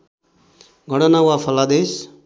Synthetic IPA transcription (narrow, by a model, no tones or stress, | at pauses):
ɡʱʌɽʌnawapʰʌlad̪es